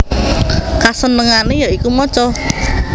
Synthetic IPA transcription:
kasənəŋanejɔikumɔt͡ʃɔ

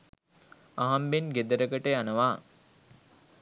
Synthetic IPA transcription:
aɦambenɡed̪əɾəɡəʈəjanəʋaː

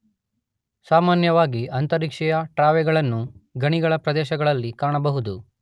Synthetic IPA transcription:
saːmaːnjɐʋaːɡiɐnt̪ɐɾikʂɛjɐʈɾaːʋɛɡɐɭɐnːuɡɐɳiɡɐɭɐpɾɐd̪ɛːʃɐɡɐɭɐlːikaːɳɐbɐɦud̪u

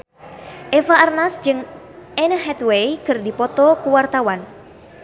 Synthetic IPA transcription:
ʔefaʔarnasd͡ʒɨŋ | ʔɛnəɦɛt̪wejkɨrdipɔt̪ɔkuwart̪awan

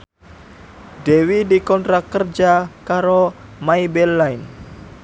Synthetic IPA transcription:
dewidikɔnt̪ɾakːərd͡ʒakaɾo | maibɛlːaɪn

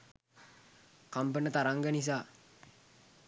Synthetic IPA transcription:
kampənət̪aɾaŋɡənis̬aː

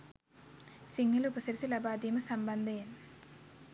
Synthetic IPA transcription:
siŋɡɐluupɐsɐɾsilɐbaːd̪imɐsɐmbɐnd̪ʱɐn

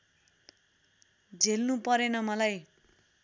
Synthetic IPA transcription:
d͡zʱelnupʌɾenʌmʌlaj

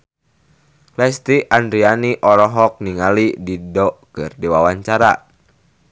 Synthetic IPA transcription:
lɛst̪iʔandɾianiʔɔɾɔɦɔk̚niŋalididɔkɨ̰rdiwawaɲt͡ʃaɾa̰

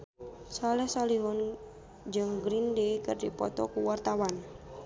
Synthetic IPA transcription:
salɛhsɔliɦɔn | d͡ʒɨŋɡɾindekɨrdipɔt̪ɔkuwart̪awan

